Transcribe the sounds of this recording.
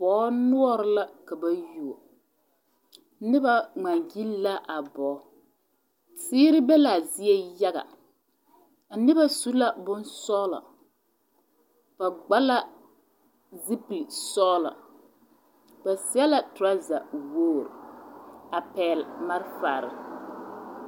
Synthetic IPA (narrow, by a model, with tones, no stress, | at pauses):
bɔː˨˦nʊ˦ɔ˦ɾɪ˦la˦ka˨ba˦ju˦˨o˨˦ | nɪ˦ba˦ŋ͡ma˨ŋɡi˦lla˦ʔa˨bɔː˨˦ | sɪː˦ɾɪ˦bɛ˦la˨zɪ˦ɛ˦ja˦ɣa̰˨ | a˨nɪ˦ba˦su˦la˦bʊ˦nsɔː˦la̰˨ | b̥a˨ɡ͡ba˦la˦ | zi˦pli˨sɔː˦la̰˨ | ba˨sɪ˦a˦la˨tʊ˨ɾa˦za˨woː˦˨ɾ̰ | a˨pɛː˨lma˦ɾfa̰ː˨ɾɪ̰˨